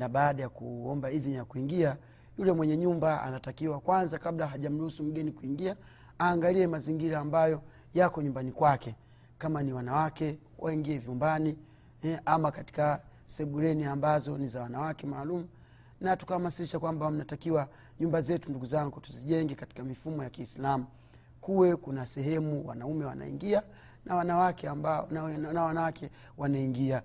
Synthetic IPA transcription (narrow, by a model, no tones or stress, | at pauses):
naɓaːɗajakuɔmbaiðnijakuiŋɡia | julɛmwɛɲɛɲumbaa̰natakiwakwanzakablaɦaʄam̩ɾuhusum̩ɡɛnikuiŋɡia | aːŋɡaliɛmaziŋɡiɾaːmbajɔ | jakɔɲumbanikwakɛ | kamaniwanawakɛ | wʔaiŋɡiɛvjumbani | ʔamakati̥ka | sɛɓuɾɛniambazɔnizawanawakɛmaːlumu | natu̥kahamasiʃakwambam̩natakiwa | ɲumbazɛtunduɡuzaŋɡutuziʄɛŋɡɛkati̥kamifumɔjakiːslamu | kuwɛkunasɛɦɛmuwa̰naumɛwa̰na̰ḭŋɡia | nawanawakɛambanawanawakʰɛ | wanaiŋɡia